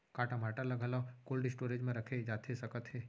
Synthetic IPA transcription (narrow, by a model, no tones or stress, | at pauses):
kaːʈamaːʈalɐɡʱəlakoːlɖisʈoːɾed͡ʒmẽɾəkʰed͡ʒaːt̪ʰesɐkət̪ɦeː